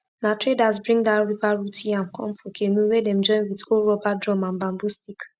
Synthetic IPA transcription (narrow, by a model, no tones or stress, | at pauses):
natɹedazbɹĩŋdaɹivaɹutʰĩãnkʰɔ̃mfɔkʰemũwɛdɛ̃md͡ʒɔ̃ɪ̃nwidolɹɔbadɹɔ̃mãnbãmbustik